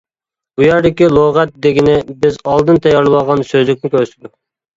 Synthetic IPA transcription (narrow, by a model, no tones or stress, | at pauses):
bujɑɾd̪ɪkʲilˠoʁɛt̪̚d̪eɡʲinɪbɪzɑlˠd̪ɨnt̪ʰɛjɑɾlˠɨwɑʁɑnsøzlɪk̚ʲnɪkʲʰøɾsɪd̪u